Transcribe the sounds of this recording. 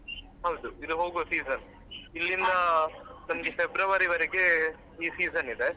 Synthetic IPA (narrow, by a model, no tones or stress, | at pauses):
hɐwd̪uid̪uɦoːɡosiːzɐn | ilːind̪ɐnɐmɐɡefebɾɐʋɐɾiʋɐɾeɡe̞ | iːsiːzɐnid̪e